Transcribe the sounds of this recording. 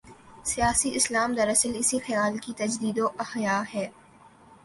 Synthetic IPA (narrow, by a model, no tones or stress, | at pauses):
sijaːsiʔɪslaːmd̪ɐɾɐsəlɪsixɐjaːlkit̪ɐd͡ʒd̪iːd̪oʔɐxjaːɦɛː